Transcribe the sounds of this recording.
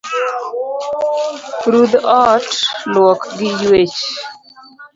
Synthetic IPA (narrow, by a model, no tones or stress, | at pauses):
pɾud̪ɔtlwɔkɡɪjwet͡ʃ